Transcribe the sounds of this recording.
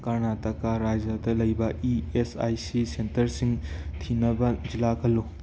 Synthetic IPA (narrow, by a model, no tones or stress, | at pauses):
kaɾnatɐkaɾad͡ʒɐdɐlɐjbɐiesa̰jsisentɐɾsiŋtʰinɐbɐd͡ʒilakʰɐlːu